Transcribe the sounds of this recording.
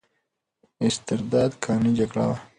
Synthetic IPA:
ɪst̪ɪɾd̪ɑːd̪kʰɑːnid͡ʒaɡɽa̰wa

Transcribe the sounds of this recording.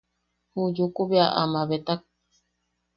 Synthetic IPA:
hud͡ʒukuβeaʔa̰maβet̪ak̚

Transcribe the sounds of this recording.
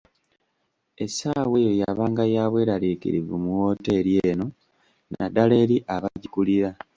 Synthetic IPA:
e̞saːwejojaβaːŋɡajaːβwe̞ːɾalikḭɾḭvumuwo̞ːte̞ːɾjeːno̞ | nʔa̰dale̞ːɾiʔaβaɟikuliɾa

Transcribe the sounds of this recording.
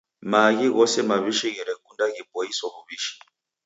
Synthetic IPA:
maɣiɣɔsɛmaβiʃiɣɛɾɛkundaɣibɔjisɔβuβiːʃi̥

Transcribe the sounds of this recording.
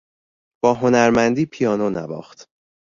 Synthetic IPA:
b̥ɒːɦo̞næɾmænd̪iːpʰijɒːnonæ̰vɒ̰ːχt̪

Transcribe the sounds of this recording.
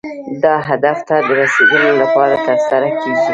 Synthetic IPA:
d̪ɑɦad̪aft̪ad̪əɾased̪əlolapɑɾat̪əɾsaɾakeɡi

